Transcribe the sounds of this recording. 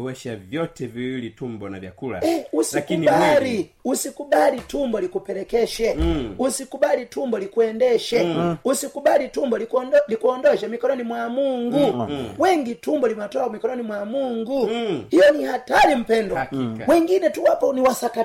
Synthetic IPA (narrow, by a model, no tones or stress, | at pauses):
wɛʃavjɔtɛviwilitumbɔna̰vja̰kula̰ɛusliakunɓaliusikuɓalitumbɔlikupɛlɛkɛʃɛusikuɓalitumbɔlikuɛndɛʃɛusikuɓalitumbɔlikuɔndɔʃamikɔɾɔnimwamuŋɡuwɛŋɡitumbɔlimwatɔamikɔɾɔnimwamuŋɡuhijɔnihatalim̩pɛndɔkiwɛŋɡinɛtuwapɔniwasaka